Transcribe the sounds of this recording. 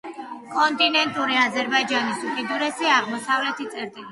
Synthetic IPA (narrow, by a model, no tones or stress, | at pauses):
kʼɔnt̪ʼinɛnt̪ʼuɾiazɛɾbaid͡ʒanisupʼid̪uɾɛsiaʁmɔsavlɛt̪ʰit̪sʼɛɾt̪ʼili